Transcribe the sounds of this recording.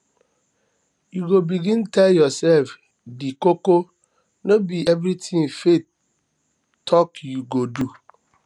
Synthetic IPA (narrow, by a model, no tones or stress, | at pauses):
juɡobiɡĩntɛljɔsɛlf | dikoko | nobiʔɛvɾitĩŋfet | tʰɔkjuɡodu